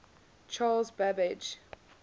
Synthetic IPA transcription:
t͡ʃʰaːlzbabɪd͡ʒ

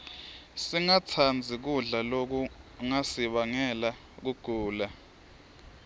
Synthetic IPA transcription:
siŋat͡sʰand͡zʱik̬uɮalok̬uŋasiɓaŋɛla | k̬uɡ̥ʱuːla

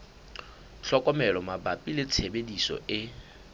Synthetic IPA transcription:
ɬɔkʼɔmɛlɔmabapʼilɪt͡sʰebedisɔ̰ʔɪ

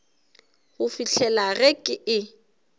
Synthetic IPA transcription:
ɣʊfiɬʰɛlaɣɛkʼɪʔɪ

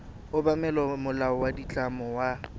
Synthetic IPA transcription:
ʊbamɛlɔmʊlaɔwadit͡ɬʼamɔwa

